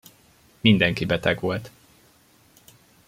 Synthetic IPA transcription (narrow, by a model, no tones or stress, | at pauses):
mind̪ɛŋkibɛt̪ɛɡʋo̞lt̪